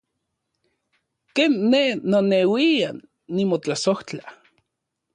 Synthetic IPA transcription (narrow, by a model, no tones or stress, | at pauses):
keːnːehnonewiaː | imot͡ɬasoht͡ɬa